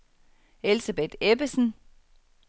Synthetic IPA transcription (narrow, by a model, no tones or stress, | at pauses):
elsɐb̥ed̥eb̥əsn̩